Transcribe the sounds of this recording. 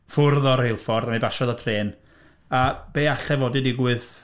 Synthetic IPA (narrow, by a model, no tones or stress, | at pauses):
fʊrðɔɾejlˠfɔramabaʃɔðɔtʰreːn | ab̥eːaɬɛvoːdɨdɪɡwɨð